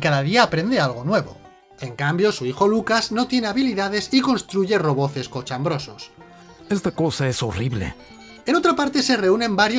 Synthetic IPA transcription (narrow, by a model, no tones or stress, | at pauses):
kaðaðiaːpɾe̞nd̪e̞alɣ̞o̞nwe̞β̞o̞̰ | e̞ŋkambjo̞suixo̞lukazno̞t̪je̞neaβiliðað̞e̞siko̞nst̪ɾuʝe̞ro̞βo̞θe̞skot͡ʃambɾo̞sos | est̪akosaeso̰riβlḛ | eno̞t̪ɾapaɾt̪e̞se̞re̞unẽ̞mbaɾjo